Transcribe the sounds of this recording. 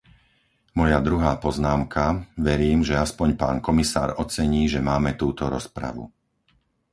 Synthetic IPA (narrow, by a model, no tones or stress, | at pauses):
mɔjad̪ɾuɦaːpɔznaːmkʰaʋɛɾiːmʒɛaspɔɲpaːnkɔmisa̰ːɾɔt͡sɛɲiːʒɛmaːmɛt̪uːt̪ɔɾɔspɾa̰ʋṵ